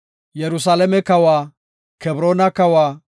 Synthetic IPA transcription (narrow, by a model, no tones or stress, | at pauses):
jɛɾʊsaːlɛmɛkɐwa | kɛbɾoːnɐkɐwaː